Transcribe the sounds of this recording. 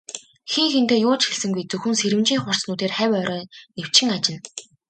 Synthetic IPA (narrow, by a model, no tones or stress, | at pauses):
xiːxen̥t̪eːjʊːt͡ɕxeɮsɘ̆ŋɡujt͡sɵxɵ̆nseɾɘ̆mt͡ɕiːŋχʊr̥snuːt̪eːrχæwʲœɾœːnew̥t͡ɕɪ̆ŋat͡ɕɪ̆n